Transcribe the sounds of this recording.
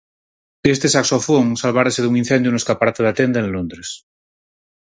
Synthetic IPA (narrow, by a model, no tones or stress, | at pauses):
est̪esaksofoŋsalβaɾaseðuŋin̟θend̪juneskapaɾat̪eðat̪end̪aẽnlond̪ɾes